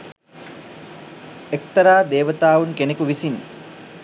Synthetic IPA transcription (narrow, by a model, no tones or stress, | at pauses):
ekt̪əɾaːd̪eːʋət̪aːʋunkenekuʋisin